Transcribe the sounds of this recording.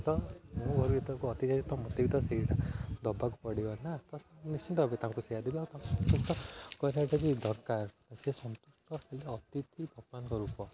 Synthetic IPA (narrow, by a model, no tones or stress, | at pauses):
t̪ɔmũbʱɔɾuit̪ɔkuɔt̪it͡ʃaɾit̪ɔmɔt̪ebit̪ɔsiʈad̪ʱɔbːakupɔɽibɔnat̪ɔsnist͡ʃʰint̪ɔbet̪ãŋkusejad̪ebiawt̪ãŋksɔnt̪usʈɔkɔɾaʈebid̪ɔɾkaɾt̪asiesɔnt̪usʈɔkeleɔt̪it̪ʰibʱɔɡɔbankɔɾupɔ